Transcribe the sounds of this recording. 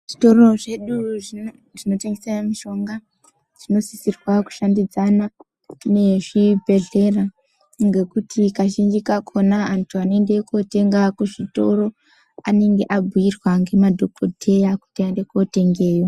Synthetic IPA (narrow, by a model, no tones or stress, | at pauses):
ʐ̥ito̞ro̞ʐe̞ɗu | ʐ̥ino̞teŋɡesanamiʃo̞ŋɡa | ʐ̥ino̞sisirwaku̥ʃandid͡zana | ne̞ʐibʱe̞ɮe̞ra | ŋɡe̞kutʰikaʃind͡ʒikakʰo̞naːntʰuanoendekote̞ŋɡakuʐito̞ɾo̞ | ane̞ŋɡe̞ʔabʱujirwaŋɡe̞madʱokʰotʰe̞jaku̥tiaende̞kote̞ŋɡe̞ːjo